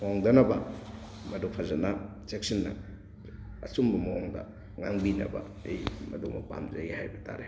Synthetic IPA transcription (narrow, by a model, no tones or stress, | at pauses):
mwaŋdɐnɐbɐ | mɐdopʰazɐna | t͡ʃek̚sinːɐ̰ː | sumbɐmɐwoŋdɐ̰ | ŋaŋbinɐ̰bɐ̰ | ejmɐdomɐpa̰mzɐjihajbɐta̰ɾe